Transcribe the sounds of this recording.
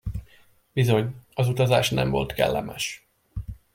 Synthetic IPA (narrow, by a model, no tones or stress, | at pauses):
b̥izo̞ɲɒzut̪ɒzaːʃnɛɱvo̞̰lt̪kɛ̰lːɛmɛʃ